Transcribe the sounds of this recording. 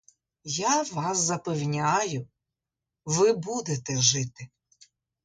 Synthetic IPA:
jaʋɑszɐpewnʲajʊ | ʋɪbud̪et̪ɛʒɪt̪ɪ

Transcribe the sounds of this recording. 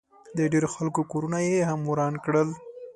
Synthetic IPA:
d̪əɖeɾoxalkokoɾunajehamwɾɑnkɽəl

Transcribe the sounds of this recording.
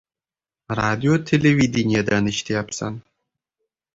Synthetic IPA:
rad̪ʲiot̪ʲʰelʲevʲid̪ʲinʲijad̪anɨʃt̪ʰejapsa̰n

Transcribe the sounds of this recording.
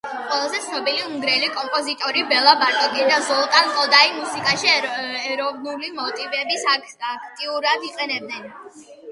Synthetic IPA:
qʼwɛlˠazɛt̪sʰnɔbiliuŋɡɾɛlikʼɔmpʼɔzit̪ʼɔɾibɛlˠabaɾt̪ʼɔkʼɛd̪azɔlˠk̪ʼanqʼɔd̪aimusikʼaʃiɛɾɔvnulimɔt̪ʼivɛbis | akʰt̪ʼiuɾad̪iqʼɛnɛb̚d̪ɛn

